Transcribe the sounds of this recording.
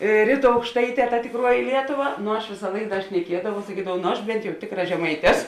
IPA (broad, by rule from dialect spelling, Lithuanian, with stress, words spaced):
ˈrʲiːˌtuː ɐʊkʃˈtɐɪˌtʲɛː tɐ tʲɪkˈruɔjɪ ˈlʲiɛtʊˌʋɐ nʊ ɐʃ ˈʋʲɪsɐ ˈlˠɐɪk ˈdɐ ʃʲnʲɛˈkʲiɛdɐʋɐʊ sɐˈkʲiːdɐʋɐʊ ˈnʊ ɐʃ ˈbʲɛnt jɛʊ ˈtʲɪkˌrɐ ʒʲɛˈmɐɪtʲ ˈɛs